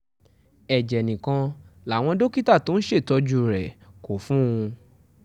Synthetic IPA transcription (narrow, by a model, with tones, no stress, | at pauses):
ɛ˨d͡ʒɛ˨nĩ˨kã˧la˨w̃ɔ̃˧do˦ki˦ta˦˨to˨˦n̩˦ʃe˦˨tɔ˧d͡ʒu˧ɾɛ˨ko˨fũ˦ũ˧